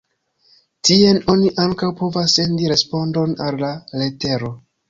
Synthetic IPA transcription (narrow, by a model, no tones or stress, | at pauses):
tie̞no̞niʔaŋkawpo̞vasːe̞ndiɾe̞spo̞ndo̞nalːale̞te̞ɾo̞